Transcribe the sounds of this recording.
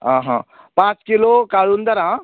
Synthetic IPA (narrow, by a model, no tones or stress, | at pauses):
ãɦã̰ | pãt͡skilokalund̪əɾã